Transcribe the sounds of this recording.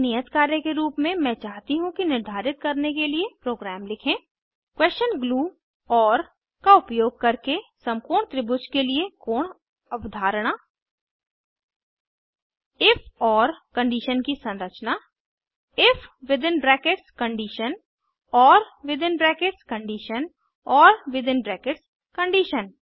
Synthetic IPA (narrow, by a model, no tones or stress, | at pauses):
nijət̪kaːɾjəkeɾuːpmẽmɛ̃t͡ʃaːɦt̪iɦũkinɪɾd̪ʱaːɾɪt̪̚kɐɾnekeliepɾoːɡɾɛːmlɪkʰẽː | kwɛːst͡ʃənɡluː | ɔːɾ | kaʊpjoːɡ̚kɐɾkesɐ̃mkuːɾɳ̃t̪ɾɪbʊt͡ʃkeliekoːɳ | ɐbd̪ʱaːɾɽ̃aː | ɪfʰɔːɾkə̃ɳɖiːʃənkisə̃nɾət͡ʃna | ɪfʰʋɪd̪ɪnbɾɛːkeʈskə̃ɳɖiːʃən | ɔːɾʋɪd̪ɪnbɾɛːkeʈskə̃ɳɖiːʃən | ɔːɾʋɪd̪ɪ̃nbɾɛːkeʈs | kə̃ɳɖiːʃən